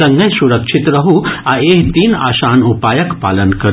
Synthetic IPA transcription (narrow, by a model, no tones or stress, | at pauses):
ɐŋɡəjsuɾəkʂit̪ɾɐɦuaeːɦt̪iːna̰ːʃaːnupaːjəkpa̰ːlənkɐɾ